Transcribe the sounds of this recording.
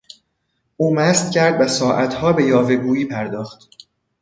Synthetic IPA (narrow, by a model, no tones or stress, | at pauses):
ʔuːmæst̪cʰæɾd̪væsɒːʔæt̪ʰhɒːbe̞jɒːve̞ɡuːjiːpʰæɾd̪ɒːxt̪